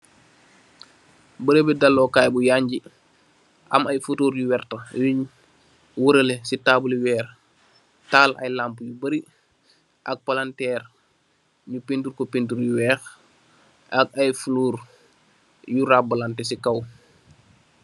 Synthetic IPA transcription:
bəɾebɛdalːokajbujaːɲɟi | ʔa̰majfutoːɾjuwɛrtajiɲ | wuɾəlesitaːbuliwɛːɾ | taːlʔa̰jlampujubəɾi | ʔak̚palantɛːɾ | ɲupintuɾkɔpintuɾjuwɛːx | ʔakajfuluːɾ | juɾabalantesikaw

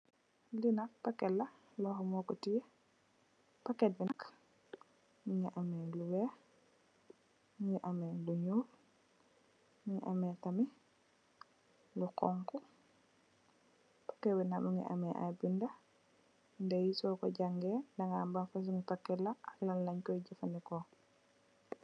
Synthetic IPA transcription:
linak̚pakːɛlːa | lɔhɔmɔkɔtije | pakːɛt̚binak | miŋiʔamɛluwɛː | ŋiʔamɛluɲuːl | miŋʔamɛtami | lukɔŋku | pḁkːɛbɛnamuŋɡɛ̰ʔa̰mɛʔa̰binda | ndɛjisɔkɔ̰ɟaŋɡɛdaŋɡambanfas̬uŋɡipakːɛlaalallaɲkɔjɟafandɛkɔ

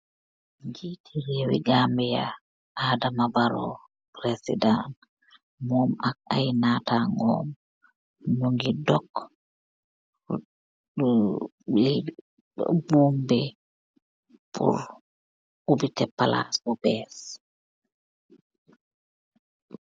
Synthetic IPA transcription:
ŋɡitʰihewḭɡambɛja | aːdamabaɾɔ̰ | pɾesḭdan | mɔmak̚ajnataŋɔ̰mː | ɔŋɡidɔk | li | bumbɛ | pʰṵɾ | ubitɛpala̰sɔbɛs

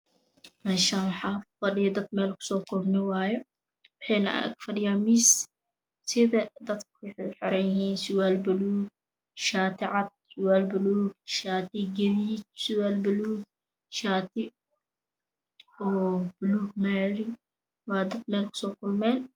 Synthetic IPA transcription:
mɐʃawħafɐɗɪjɐd̪ɐt̪mɛːlkʊ̥sɔːkʊlnɪwaːjɛ | wʊħɛːna̰ʔkfɐɗɪjamis | sɪðɐd̪ɐt̪kʰːħɪɾɛɪhiːnsʊwalbɐluːɡ̚ | ʃaːt̪ɪʕat̪̚sʊwaːlbʊluːɡ̚ʃaːt̪iɡɐβiːt͡ʃ̚sʊwaːlbɐluːɡ̚ | ʃaːt̪i | ɔːb̥ʊluːɡmɛːɾi | waːd̪ɐt̪mɛːlkʊ̥sɔːkʊlmɛːn

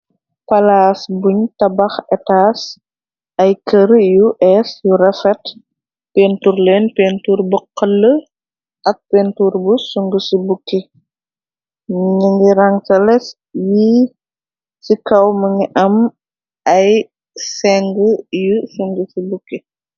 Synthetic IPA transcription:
pɐlaːsbuɲtɐbɐxɛtaːs | ɐjkəɾjuʔɛsjurɐfɛt | penturlɛːnpentuːrbɔqːəlːə | ʔɐk̚pentuːrbusuŋɡəsibukːi | ɲiŋɡiɾɐŋtɐlɛs | ji | sikɐwmɐŋɡiʔɐm | ɐj | sɛŋɡəjusuŋɡəsibukːi

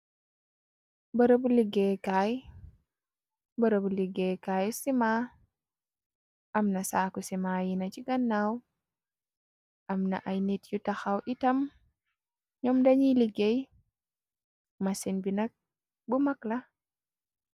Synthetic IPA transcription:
bəɾobuliɡekaj | bəɾobuliɡekajsima | ʔamnasaːkusimajinat͡ʃiɡanːaw | ʔamna̰ʔajnitjutaxawʔitam | ɲɔmdaɲiliɡej | masinbinak̚ | bumakla

